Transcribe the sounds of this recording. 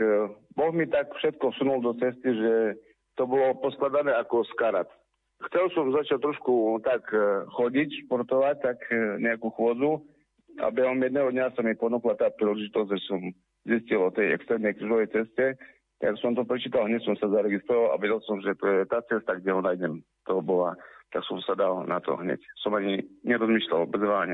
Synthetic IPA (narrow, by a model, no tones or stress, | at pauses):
bɔɣmit̪akfʃɛt̪kɔfsunuld̪ɔt͡sɛst̪iʒɛ | t̪ɔbɔlɔpɔsklad̪anɛːakɔskaɾat̪ | xt͡sɛlsɔmzat͡ʃac̚t̪ɾɔʃkut̪akxɔɟicʃpɔɾt̪ɔʋac̚t̪akɲɛakuːxwɔd͡zu | a̰bɛɦɔmjɛd̪nɛːɦɔd̪ɲasamipɔnuklat̪aːpɾilɛʒit̪ɔzɟʒɛsɔm | ziscilɔt̪ɛjɛ̰kst̪ɾɛːmnɛjkɾuʒɔʋɛjt͡sɛscɛ | t̪aɡaksɔmt̪ɔpɾɛt͡ʃiːt̪alɦɲɛcsɔmsazaɾɛɡist̪ɾɔʋala̰ʋɛɟɛlˠsɔmʒɛt̪ɔjɛt̪aːt͡sɛst̪aɡɟɛɦɔnajdɛm | t̪ɔbɔlat̪aksɔmsad̪alnat̪ɔ̰ɦɲɛ̰csɔmaɲiɲɛɾɔzmiːʃla̰lbɛzʋaːɲɛ